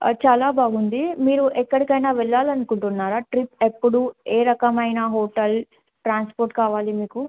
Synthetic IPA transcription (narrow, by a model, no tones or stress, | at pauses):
t͡ʃaːlaːbʱaːɡund̪imiːɾuʔɛkːɐɽikɐjnaːʋɛɭːaːlɐnukuɳʈunːaːɾaːʈɾipepːuɽueːɾɐkɐmɐjnaːɦoːʈɐl | ʈɾaːnspoːɾʈkaːʋaːlimiːku